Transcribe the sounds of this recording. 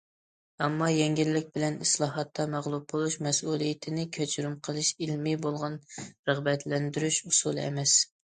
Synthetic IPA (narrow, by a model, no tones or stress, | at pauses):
ɛmːɑjɛŋɡʲilːɪk̚ʲbɪlɛnɨslˠɑɦɑt̪ːɑmæʁlˠub̚bolˠuʃmɛsulˠijɪt̪ʰɪnɪkʲʰøt͡ʃɾumqʰəlˠɨʃɪlmibolˠʁɑnɾəʁbɛt̪ʰlɛnd̪yɾyʃusulˠɛ̰mɛs